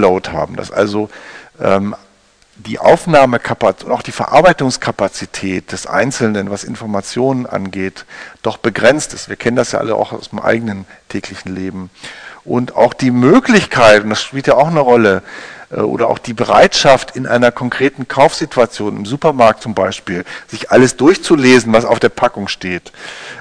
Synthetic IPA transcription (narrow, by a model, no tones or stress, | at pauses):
loʊtha̰ːbm̩da̰sʔa̰lzoʔɛːm | d̥ḭːʔa̰ʊfnaːməkʰapaʊntaʊxd̥iːfɛɐʔaɐbaɪtʊŋskʰapat͡sitʰɛːt̚d̥ɛsʔa̰ɪnt͡sl̩nənvasɪ̰nfɔɐmat͡sjoːnənʔa̰nɡeːtd̥ɔχb̥əɡʁɛnt͡stɪ̥stv̥iːɐkʰɛnəndasja̰ːʔa̰ləʔa̰ʊxaʊsɪmʔa̰ɪɡənən | tʰɛːklɪçn̩leːbm̩ʔʊnta̰ʊxd̥iːmøːklɪçkʰaɪtʊntd̥asʃpiːltjaːaʊxnəʁɔləʔɛ̰ːʔo̰ːɾɐʔa̰ʊxd̥iːbəʁa̰ɪtʃaftʰɪnʔa̰ɪnɐkʰɔŋkʁ̥eːtn̩kʰaʊfz̥itʰuat͡sjoːnɪmzuːpɐmaɐk̚tt͡sʊmbaɪʃpiːlz̥ɪçʔaləsd̥ʊɐçt͡suleːzn̩vasa̰ʊfd̥eːɐpʰakʊŋʃteːt